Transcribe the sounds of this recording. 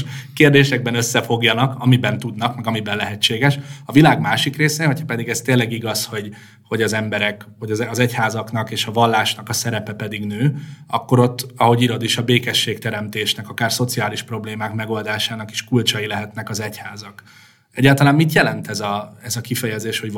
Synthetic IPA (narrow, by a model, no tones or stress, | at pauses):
ʃkeːrd̪eːʃɛɡ̚bɛnøsːɛfo̞ɡjɒnɒkɒmibɛnt̪ud̪nɒkmɛɡɒmibɛnlɛɦɛt͡ʃːeːɡɛʃɒvilaːɡmaːʃikreːseːɦo̞cʰhɒpɛd̪iɡɛst̪eːlːɛɡiɡɒsho̞ɟ | ho̞ɟɒzɛmbɛɾɛkhoɟɒzɛchaːzɒkn̪ɒkeːʃɒvɒlːaːʃnɒkɒsɛɾɛpɛpɛd̪iɡnøːɒ̰kːo̞ɾo̞t̪ːɒɦo̞ɟiɾo̞d̪iʃɒbeːkɛʃːeːkt̪ɛɾɛmt̪eːʃnɛkɒkaːrso̞t̪siaːliʃpro̞bleːmaːkmɛɡo̞ld̪aːʃaːnɒki̥ʃkult͡ʃɒjilɛɦɛt̪nɛkɒzɛchaːzɒk | ɛɟːaːlt̪ɒlaːmmit̪jɛlɛnt̪ɛzɒɛzɒkifɛjɛzeːʃho̞ɟ